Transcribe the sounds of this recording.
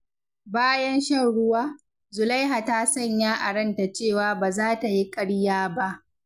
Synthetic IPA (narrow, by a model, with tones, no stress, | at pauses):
baː˦jɐ˦nʃɐ˦˨nɽʊ˦waː˦ | zʊ˨la˦jɦa˨taː˦sɐ˦˨ɲjaː˦ʔa˨ɽɐ˦nta˨t͡ʃeː˦˨waː˨˦baː˨zaː˦ta˨ji˦kʼɐ˦ɽjaː˦ba˦ʔ